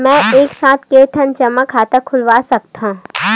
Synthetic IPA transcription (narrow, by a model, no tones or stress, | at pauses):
mɛ̃ːeːksaːt̪ʰkeːʈ̪ʰənt͡ʃɐməkʰːaːt̪akʰʊlʋaːsɐk̚tt̪ã